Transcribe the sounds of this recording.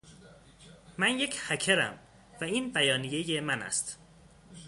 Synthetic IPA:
mænje̞cʰhæcʰeɾæ̰m | væiːnbæjɒːnije̞jemænæ̰st̪

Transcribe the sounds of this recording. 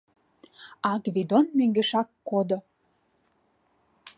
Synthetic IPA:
ɑɡβid̪onmøŋɡeʃɑkːod̪o

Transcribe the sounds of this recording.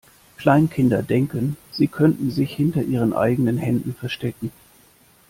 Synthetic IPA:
kl̥aɪnkʰɪndɐdɛŋkənz̥iːkʰœntn̩zɪçhɪntɐʔiːʁ̞ənʔa̰ɪɡənənhɛndn̩fɛɐʃtɛkŋ̩

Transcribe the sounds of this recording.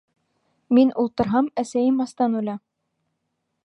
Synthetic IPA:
minulˠt̪ɤ̆ɾɦɑmæsæjɘmɑst̪ɑnulʲɑ

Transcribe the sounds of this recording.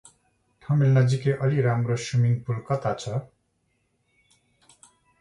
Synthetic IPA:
ʈʰʌmelnad͡zikeʔʌliɾamɾoʃumiŋpulkʌt̪at͡sʰʌ

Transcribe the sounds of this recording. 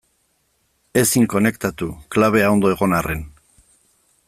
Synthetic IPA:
e̞siŋko̞ne̞kt̪at̪uklaβ̞e̞ao̞nd̪o̞e̞ɣ̞o̞nare̞n

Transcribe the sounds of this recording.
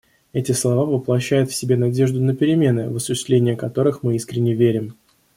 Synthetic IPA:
ɛtʲɪslˠɐvavəplˠɐɕːæjʊt̪fsʲɪbʲe̞nɐdʲe̞ʐd̪ʊnəpʲɪɾʲɪmʲe̞nɨvəsʊɕːɪst̪lʲenʲɪjəkɐt̪o̞ɾɨxmɨiskɾʲɪnʲːɪvʲeɾʲɪm

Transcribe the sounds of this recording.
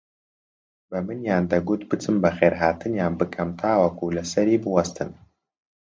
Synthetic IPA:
bɐmɨnjaːnd̪ɐɡut̪bɨt͡sʰɨmbɐxeːɾɦaːt̪ʰɨnjaːnbɨkʰɐmt̪ʰaːwɐkʰulɐsɐɾiːbɨwɐst̪ʰɨn

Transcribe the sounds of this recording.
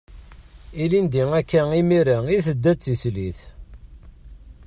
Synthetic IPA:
ilind̪iŋækːæimiɾæiθəd̪ːæt͡sːisliθ

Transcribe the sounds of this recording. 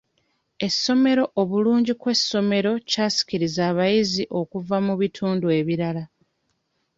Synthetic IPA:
e̞sːo̞me̞ɾo̞ʔoβuluːɲɟikwe̞sːo̞me̞ɾo̞caːsi̥ciɾizaːβajiziʔo̞kuvamuβitʰuːndue̞βiɾala

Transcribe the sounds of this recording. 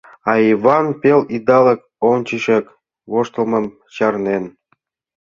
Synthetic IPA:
ɑivɑnpʲelid̪ɑlɤk̚ | ont͡ɕiʃek | βoʃt̪ɤ̆lˠmɤ̆m | t͡ɕɑrnen

